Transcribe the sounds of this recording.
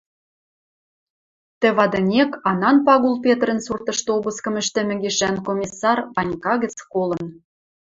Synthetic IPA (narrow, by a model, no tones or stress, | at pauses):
t̪ɘ̆βɑd̪ɤ̆nʲekɑnɑnpɑɣulp̬ʲet̪ɾə̆nsurt̪ɤ̆ʃt̪oβuskɤ̆mɘ̆ʃt̪ɘ̆mɘ̆ɡeʃænkomʲisːɑrβɑnʲkɑɣɘ̆t͡skolɤ̆n